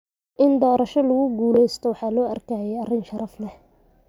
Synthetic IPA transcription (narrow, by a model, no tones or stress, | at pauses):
ʔɪnd̪ɔːɾɐʃɔlʊɣʊɡuːlɛjst̪ʰɔwɑħɑːlɔːʔɐrkʰɐjɛɐrɪnʃɐɾɐflɛ